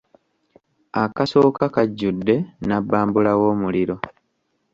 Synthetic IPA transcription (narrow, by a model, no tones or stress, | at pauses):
akaso̞ːkakaɟːudːe̞nabːaːmbulawo̞ːmuliɾo̞